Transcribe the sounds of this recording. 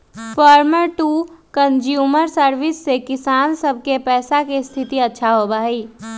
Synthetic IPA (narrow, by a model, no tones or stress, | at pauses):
pɔːɾməɾʈuːkə̃nd͡ʒjuːməɾsəɾʋɪsːekɪsaːnsəb̚ʱkepɛːsakest̪ʰɪt̪iətːʃʰaɦobaːiː